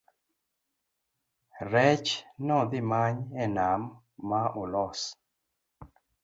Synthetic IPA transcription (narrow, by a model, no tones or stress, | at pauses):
ɾɛt͡ʃnɔd̪ɪmaɲɛnamː | aʔolɔs